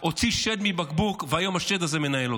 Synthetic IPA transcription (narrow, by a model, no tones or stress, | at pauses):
o̞t͡siʃed̪mibakbukveajo̞maʃed̪azeme̞naelo